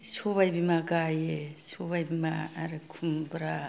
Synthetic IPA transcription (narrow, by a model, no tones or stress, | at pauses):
soβajbimaɡajesobajbimaːɾɯkʰumbɾa